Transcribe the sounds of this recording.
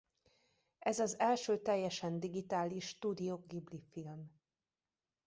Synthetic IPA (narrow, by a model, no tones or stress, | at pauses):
ʔɛzɒzɛlʃøːt̪ɛjːɛʃɛnd̪iɡit̪aːliʃːt̪uːd̪ijoɡɡiblifilm